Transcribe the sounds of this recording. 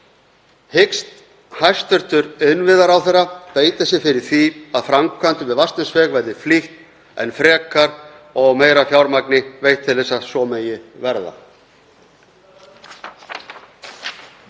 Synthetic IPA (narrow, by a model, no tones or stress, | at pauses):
hɪkst̪ | hajst̪ʏr̥t̪ʏɾʏnvɪðaɾawθɛrːapeːjt̪asɛfɪɾɪɾ̥θiaðfɾamkʰvant̪ʏvɪðvast̪ɪsvɛːɣvaɾðɪfliht̪ | ɛ̰nfɾɛːkaɾ | ɔɣmeːjɾafjawɾmaknɪvejht̪ʰːɪlθɛsːasɔmeːjɪvɛɾða̰